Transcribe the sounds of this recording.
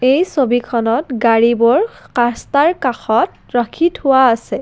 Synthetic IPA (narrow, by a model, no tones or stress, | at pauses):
ejsobikʰɔnɔtɡaɹibɔɹkastaɹkaxɔt | ɹakʰithʊwaːsɛ